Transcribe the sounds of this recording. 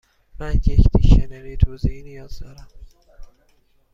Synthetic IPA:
mænjecʰd̪ʰiʃeneɾet̪ʰozeinijɒːzd̪ɒːɾæm

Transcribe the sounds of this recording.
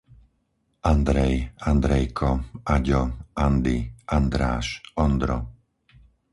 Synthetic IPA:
ʔand̪ɾɛjand̪ɾɛjkʰɔaɟɔand̪iʔand̪ɾaːʃɔnd̪ɾɔ̰

